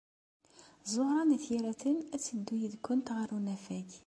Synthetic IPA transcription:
zˤoʁɾˤɑnæθjæɾæθənæt͡sːəd̪ːujəðkːʊnt̪ʁəɾˤunæfæç

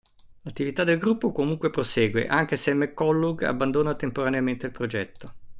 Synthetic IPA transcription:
lat̪ːivit̪ad̪ːelɡɾupːokomuŋkwepɾosɛːɡwḛʔaŋk̟esemːekːɔlːuɡa̰bːand̪oːnat̪empoɾaneament̪eilpɾod͡ʒɛt̪ːo

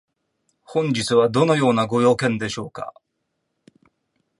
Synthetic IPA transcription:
hõ̞ɲ̟d͡ʑit͡sɨβad̪o̞no̞jo̞ːnaɡo̞jo̞ːkẽ̞nd̪e̞ɕo̞ːka̰

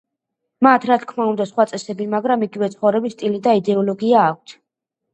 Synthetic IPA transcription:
mat̪ʰɾat̪ʰkʰmaund̪asχwat̪sʼɛsɛbimaɡɾamiɡivɛt̪sʰχɔvɾɛbist̪ʼilid̪aid̪ɛɔlɔɡiaːk̚ʷʰt̪ʰ

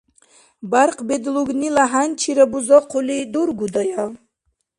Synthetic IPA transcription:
baɾqʰbed̪luɡnilaɦant͡ʃʰiɾabuzɔqʰulid̪uɾɡud̪ɔja

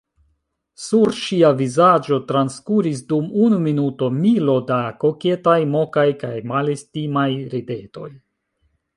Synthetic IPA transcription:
suɾʃiavizad͡ʒo̞tɾanskuɾis̬dumunuminuto̞milo̞dako̞ke̞tajmo̞kajkajmalestimajɾede̞to̞̰j

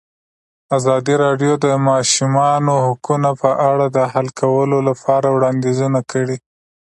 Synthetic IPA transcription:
azɑd̪iɾɑɖjod̪əmɑʃumɑnohʊkunapəʔaɽad̪əhalkʰawəlolapʰɑɾawɽɑnd̪ezunakʰəɽi

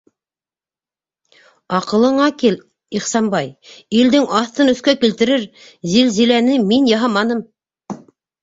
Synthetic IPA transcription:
ɑqɤ̆lˠɤ̆ɴɑkil | iχsɑmbɑjild̪ɘŋɑθt̪ɤnɵ̆θkækilt̪ɘ̆ɾɘɾ | zilzilænɘminjɑɦɑmɑnɤm

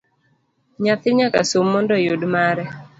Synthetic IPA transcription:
ɲat̪ɪɲaka̰somːɔndɔjʊdmaɾɛ

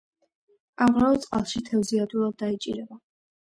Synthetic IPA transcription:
amʁɾaɔt̪sʼqʼalˠʃit̪ʰɛvziad̪uɾad̪̚ːait͡ʃʼḭɾɛba

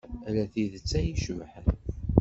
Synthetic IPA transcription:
læθiðət͡sːæjiʃvħən

